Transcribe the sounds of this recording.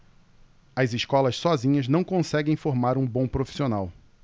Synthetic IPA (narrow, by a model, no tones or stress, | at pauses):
ɐziʃkɔlɐssɔzĩɲɐznɐ̃w̃kõsɛɡẽj̃foɾmaɾũbõpɾofi̥sionaw